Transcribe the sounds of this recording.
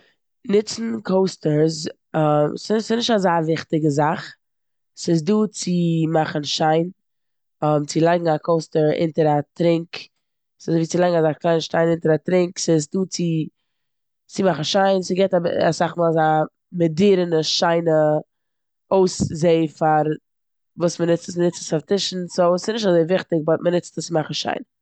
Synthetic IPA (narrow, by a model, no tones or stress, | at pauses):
nɪt͡sn̩kʰoʊstəɾz | ɔmssɪnɪʃtazaːvɪχtɪɡəzaχ | sɪsduːt͡sɪmaχn̩ʃaɪn | ɔmt͡sɪlˠaɪɡŋ̩akʰoʊstəɾɪ̰ntəɾatɾɪŋk | sɪzviːt͡sɪlˠaɪɡŋ̩azaːklˠaɪnʃtaɪnɪntəɾatɾɪŋksɪsduːt͡sɪ | t͡sɪmaχn̩ʃaɪnsɪɡɛtaba̰saχmalˠza | mɪdiːɾənəʃaɪnə | oʊszeɪfaɾ | vuːsmənɪt͡stəsmənɪt͡səsaftɪʃn̩sosɪsnɪʃ̬tazeɪvɪχtɪk̚bɔt̚mənɪt͡stəst͡sɪmaχn̩ʃa̰ɪn